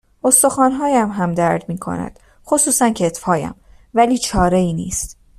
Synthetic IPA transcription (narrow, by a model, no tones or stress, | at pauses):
ʔo̞st̪o̞xɒːnɦɒːjæmɦæmd̪æɾd̪miːkʰo̞̰næ̰d̪̥ | xosuːsæncʰet̪fhɒːjæ̰m | væliːt͡ʃʰɒːɾeiːniːst̪